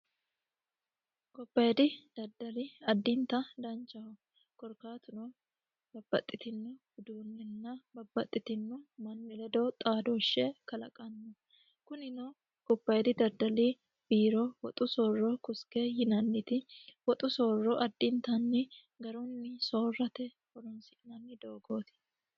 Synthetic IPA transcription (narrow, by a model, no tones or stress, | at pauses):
kɔbːɐjd̪ɪd̪̥ɐd̪ːɐliɐd̪ːɪnt̪ɐd̪ɐnt͡ʃːɐɔ | kɔɾkaːt̪ʊno | bɐbːɐ̰t̪ʼːɪt̪ɪnːʊbɪd̪uːnːɪnːɐbɐbːɐt̪ʼːɪt̪ɪnːʊmɐnːɪlɛd̪ɔt̪ʼaːd̪ɔʃːɛkɐlɐ̰kʼɐnːʊ | kʊnɪnɔ | kʊpːɐjd̪ɪd̪ɐɾd̪ɐli | b̥iːɾɔwɔt̪ʼʊsoːrːɔkʊskehɪnɐnːɪt̪ɪwɔt̪ʼʊso̞ːrːɔʔɐd̪ːɪnt̪ɐnːɪ | ɡɐɾɔnːɪso̞ːrːɐt̪ɛ | wɔɾʊnsɪʔnɐnːɪd̪oːɡoːt̪ɪ̥